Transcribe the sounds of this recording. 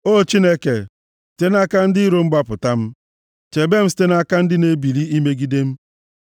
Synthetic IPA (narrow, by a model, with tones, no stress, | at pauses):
o˦˨t͡ʃi˦ne˦ke˨ | si̥˨te˦na˦ka˦n̩˦dɪ˦i˦ɾo˨˦m̩˦ɡ͡ba˦pʊ˨ta˦m̩˦ | t͡ʃe˨be˦m̩˦s̬i̥˦te˦na˦ka˦n̩˦dɪ˦ne˨bi˨li˦i˦me˦ɡi˦de˦m̩˦